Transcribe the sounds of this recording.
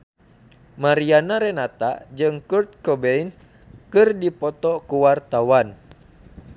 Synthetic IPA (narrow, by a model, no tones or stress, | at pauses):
maɾianaɾɛnat̪a̰d͡ʒɨŋkurt̪̚kɔbɛin | kɨrdipɔt̪ɔkuwart̪awan